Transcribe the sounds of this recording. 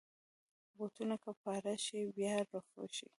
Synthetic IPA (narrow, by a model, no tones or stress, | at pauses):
bot̪unakapɑɾaʃibjɑɾoxo̰ʃḭ